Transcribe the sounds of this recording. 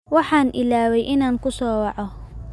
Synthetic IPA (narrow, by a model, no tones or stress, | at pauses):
wɑħɑːnʔɪlaːwɛjʔɪnaːŋkʰʊsɔːwɑʕɔ